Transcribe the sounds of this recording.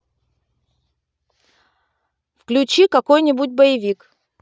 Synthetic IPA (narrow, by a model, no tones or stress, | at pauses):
fklʲʉt͡ɕikɐkojnʲɪbut̚ʲbəjɪvʲik